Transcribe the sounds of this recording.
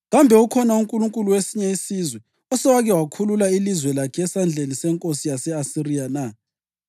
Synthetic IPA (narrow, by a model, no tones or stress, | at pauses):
ɣambʱɛukʰɔnauŋkʼuluŋkʼuluwesiɲɛisizwɛ | ɔsɛwaɣɛwakʰululailizwɛlakʰɛɛsand͡ɮʱenisɛŋkʼosijasɛasirijana